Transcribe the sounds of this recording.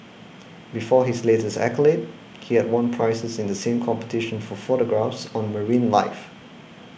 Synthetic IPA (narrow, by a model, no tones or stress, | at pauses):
bifɔɦisletəsɛ̰kəlet̚ | hihɛd̚wʌ̃npʰɹ̥aɪsəsɪ̃ndəsẽmkʰɔ̃mpə̥tʰɪʃə̃nfɔfoɾəɡɹafsɔ̃nməɹĩnlaɪf